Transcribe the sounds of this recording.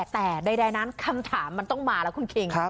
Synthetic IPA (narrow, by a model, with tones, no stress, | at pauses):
t̪ɛː˨˩daː˧jdaː˧jna˦˥nkʰa˧mt̪ʰaː˩˦mːa˧nt̪ɔ˥˩ŋmaː˧lɛː˦˥ku˧nkʰi˧ŋʰa˦˥